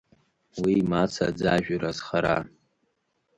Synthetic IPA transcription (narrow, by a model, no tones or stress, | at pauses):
wiːmat͡sʰa̰d͡zaʒᶣɾazχaɾa̰